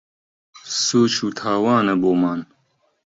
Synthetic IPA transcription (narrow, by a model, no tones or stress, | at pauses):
suːt͡ʃʰuːt̪ʰaːwaːnɐboːmaːn